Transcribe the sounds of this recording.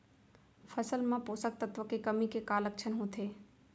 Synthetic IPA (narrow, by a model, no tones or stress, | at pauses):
fʰəsəlmãpoːsək̚t̪ət̪ʋəkekɐmikekaːlək̚t͡ʃʰənɦũt̪ʰeː